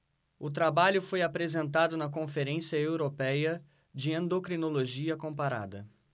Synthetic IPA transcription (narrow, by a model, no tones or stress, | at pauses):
ʊt̪ɾabaʎʊfojapɾezẽnt̪ad̪ʊnɐk̬õfeɾẽsiɐewɾopɛjɐ | d͡ʒɪẽnd̪okɾinoloʒiɐkõpaɾa̰d̪ɐ